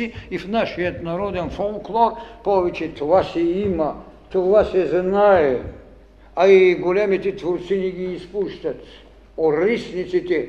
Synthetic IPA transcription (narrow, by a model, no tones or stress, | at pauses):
iifnaʃijɐt̪naɾɔd̪ɛnfolˠklˠɔɾpɔvɛt͡ʃɛt̪ovasɛimɐ | t̪ovasɛznaɛ | aiɡolʲɛmit̪ɛt̪voɾt̪siniɡiːspuʃt̪ɐt̪ | oɾisnit̪sit̪ɛ